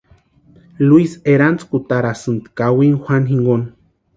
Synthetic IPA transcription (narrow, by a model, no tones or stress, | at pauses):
luiseɾant͡skut̪aɾasɨnt̪kawiŋxʷanɦiŋɡon